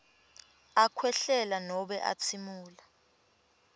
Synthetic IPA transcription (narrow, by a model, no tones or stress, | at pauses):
akʰwɛɬɛlanɔɓɛʔa̰t͡sʰimuːla